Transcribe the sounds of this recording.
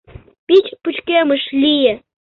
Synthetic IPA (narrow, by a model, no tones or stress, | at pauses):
pʲit͡ɕput͡ɕkeməʃlʲijĕ